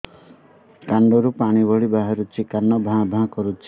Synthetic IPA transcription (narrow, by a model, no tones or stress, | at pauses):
kaɳɖɔɾupaɽ̃ibɔɭibaɦaɾut͡ʃʰikanːɔbʱãbʱãkɔɾut͡ʃʰi̥